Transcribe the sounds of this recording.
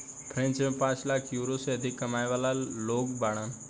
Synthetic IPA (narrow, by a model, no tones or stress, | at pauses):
pʰɾẽnt͡ʃmẽpãːt͡ʃlaːkʰjuɾoseɐd̪ʱɪkːəmajʋaːlaloːkbaːɽ̃ən